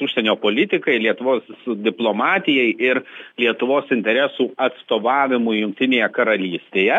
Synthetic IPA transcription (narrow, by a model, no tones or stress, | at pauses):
ʊʃʲsʲɛnʲoːpoːlʲɪt̪ʲɪkɐɪlʲiɛt̪ʊʋoːsd̪ʲɪplˠoːmɑːt̪ʲɪjɛɪʔɪɾlʲiɛt̪ʊʋoːsɪnʲt̪ʲɛɾʲɛsuːɐt̪st̪oːʋɑːʋʲɪmʊjʊŋk̚t̪ʲɪnʲeːjɛkɐɾɐlʲiːsʲt̪ʲeːjɛ